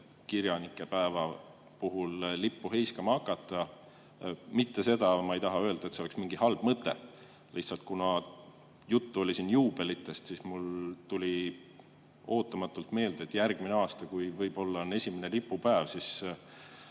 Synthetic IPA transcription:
kiɾjɑnikːˑe̞pæevɑ | puɦullipːuɦe̞jskɑmɑɑkːˑɑt̪ːˑɑ | mit̪ːe̞se̞d̪ɑmɑejt̪ɑɦɑø̞ld̪ɑet̪seoeksmiŋɡihɑlb̥mɤt̪ːˑe̞̰ | lʔiht̪sɑlt̪̚kunɑ | jut̪ːuo̞lʲisiːnjuːb̥e̞lit̪ːˑe̞st̪sismult̪ulʲi | o̞ːt̪ːˑɑmɑt̪ːˑult̪me̞ːld̪e̞t̪ːˑjærɡ̥mineɑːst̪ɑkujvɤjb̥o̞lːɑne̞sʲimene̞lipːˑupæevsis

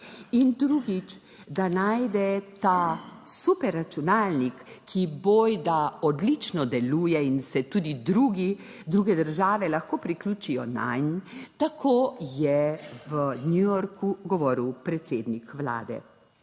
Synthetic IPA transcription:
ind̪ɾuːɡit͡ʃ | d̪anajd̪ɛt̪asupɛɾːat͡ʃunaːlnikʰːibojd̪aɔd̪lit͡ʃnɔd̪ɛluːjɛinsɛt̪uːd̪id̪ɾuːɡi | d̪ɾuːɡɛd̪əɾʒaːʋɛlaxkoːpɾiklʲuːt͡ʃijɔ̰na̰jnt̪akʰoːjɛʋənjujɔɾkuɡɔʋɔːɾiwpɾɛt̪seːd̪nikʋla̰ːd̪ɛ̰

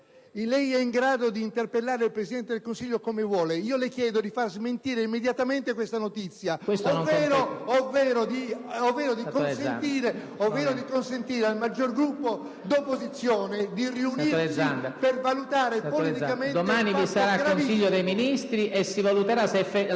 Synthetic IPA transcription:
ilɛjɛiŋɡɾaːd̪od̪iːnt̪erpelːaːɾeilpɾesid̪ɛnt̪ed̪elkonsiʎːokomevwɔːleiːolekjɛːd̪od̪ifarzment̪iːɾeimːed̪jat̪ament̪ekwest̪anot̪it̪sːjakwest̪onoŋvːɛːɾoovːɛːɾod̪iovːɛːɾod̪ikonsen̰t̪iːɾe | ovːɛːɾod̪ikonsent̪iːɾealmad͡ʒːorɡɾupːo | d̪opːozit̪sːjoːned̪iriunilesanpervalut̪aːɾepolit̪ikamẽntd̪omaːnivisaɾaaonsiʎːod̪ejminist̪ɾiʔesːivalut̪eɾasefe

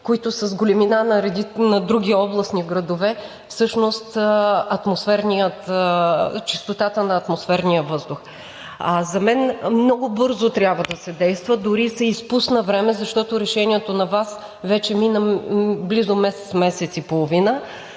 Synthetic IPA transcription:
koit̪ʊsɐzɡolʲɛminanɐɾɛd̪inɐd̪ɾuɡʲiɔblˠɐsniɡɾɐd̪ovɛ | fsɤʃnost̪ɐt̪mosfɛɾnijət̪ | t͡ʃist̪ot̪at̪ənɐːt̪mosfɛɾnijəvɤzd̪ʊx | azɐmɛnmnɔɡʊbɤɾzot̪ɾʲjabvəd̪ɐsɛd̪ɛjst̪vəd̪ʊɾisɐispusnɐvɾɛmɛzɐʃt̪ɔt̪oɾɛʃɛnʲiɛt̪onɐvas | vɛt͡ʃɛminɐblizomɛsɛt̪smɛsɛt̪sipolˠovinə

